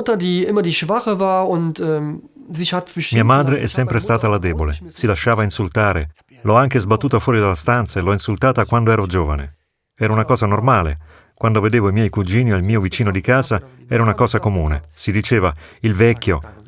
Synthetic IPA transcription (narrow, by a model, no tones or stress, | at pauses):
ʊtɐdiːɪmɐdiːʃv̥aχəvaːɐʊntɛzihatəʃmiːaamaːd̪ɾeʔɛsːɛmpɾest̪aːt̪alad̪ɛːbolesilaʃːaːvainsult̪aːɾe | lɔaŋk̟ezbat̪ːuːt̪afwɔːɾid̪alːast̪ant̪saelɔinsult̪aːt̪akwand̪oɛːɾod͡ʒoːva̰nḛ | ɛːɾaunakɔːzanormaːlḛ | kwand̪oved̪eːvoimjɛjkud͡ʒiːniailmiːovit͡ʃiːnod̪ikaːza | ɛːɾaunakɔːzakomuːnḛsid̪it͡ʃeːvailvɛkːjo